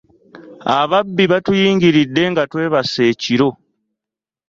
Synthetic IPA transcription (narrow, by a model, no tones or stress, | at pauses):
aβabːiβatujiːŋɡiɾidːe̞ŋɡatwe̞ːβase̞ːciɾo̞